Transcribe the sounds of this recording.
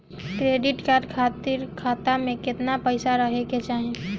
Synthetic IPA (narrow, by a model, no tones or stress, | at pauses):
kɾeːɖɪʈkaːɾɖkʰaːt̪ɪɾkʰaːt̪amẽkɪt̪napəɪsaɾəɦeket͡ʃaːɦẽ